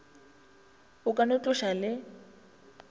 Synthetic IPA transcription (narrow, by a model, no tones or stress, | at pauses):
ʊkʼanʊt͡ɬʼʊʃalɪ